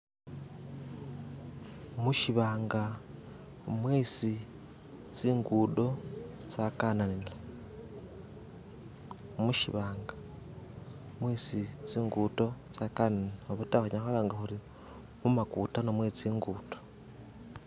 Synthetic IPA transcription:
omuʃiβaːŋɡa | mweːsi | t͡siːŋɡuːdo̞ | t͡sakaːnanila | omuʃḭβaːŋɡa | mweːsit͡siːŋɡuːdo̞t͡sakananioβutaxaɲaxalaːŋɡaxuɾi | mumakuːtanomweːt͡siːŋɡuːto̥

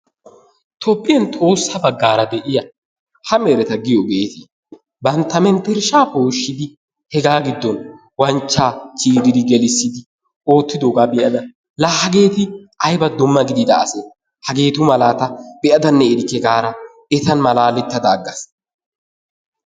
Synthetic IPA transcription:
t̪ʰɔpʼːɪjɐnt̪ʼo̞ːsːɐbɐɡːaːɾɐd̪ɛʔɪjɐ | hɐmɛɾɛt̪ɐɡɪjɔɡe̞ːt̪ɪ | bɐnt̪ːɐmɛnt̪ɛɾʃaːpoːʃːɪd̪ɪ | hɛɡaːɡɪd̪ːɔn | wɐnt͡ʃːaːt͡ʃiːɾɪd̪ɪɡɛlɪsːɪd̪ɪ | o̞ːt̪ːɪd̪oːɡabɛʔɐd̪ɐ | laːhɐɡe̞ːt̪ɪʔɐjbɐd̪ɔmːɐɡɪd̪ɪd̪ɐːsɛ | hɐɡe̞ːt̪ʊmɐlaːt̪ɐb̥ɛʔɐd̪ɐnːɛɪd̪ɪkːɛɡaːɾɐ | ɛt̪ɐnmɐlaːlːɪt̪ːɐd̪ɐːɡːɐs

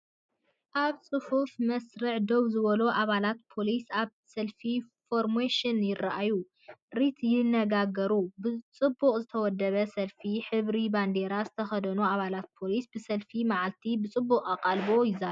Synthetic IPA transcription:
ʔaβt͡sʼɨhufmɐsɾɨʕd̪owzɨβɐloʔaβalat̪pʰo̞lisaβ | sɐlfifo̞ɾmeʃɪnjɪrːaʔaju | ɾit̪ʰjɪnːɐɡaɡɐɾubɨt͡sʼɨbːuqʼzɨt̪ʰɐwɔd̪ːɐβɐsɐlfiħɨβɾiband̪eɾazɨt̪ʰɐxɐd̪ɐnuaβalat̪̚pʰo̞lisbɨsɐlfimaʕalt̪ʰibɨt͡sʼɨbːuqʼaqʼalbo̞jɪza

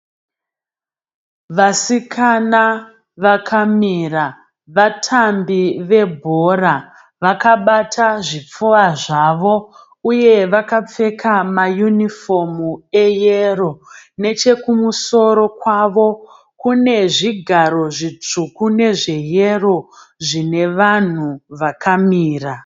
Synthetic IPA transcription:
ʋasikʰana | ʋakʰamira | ʋatʰambiʋe̞bʱo̞ɾa | ʋakaɓatʰaʐip͡fuaʐaʋo̞ | uje̞ʋakap͡fe̞kʰamajunifo̞mue̞jero̞ne̞t͡ʃe̞kumuso̞ɾo̞kwaʋo̞ | kune̞ʐiɡʱaɾo̞ʐit͡ʂukune̞ʐe̞je̞ro̞ | ʐine̞ʋan̤uʋakʰamiːra

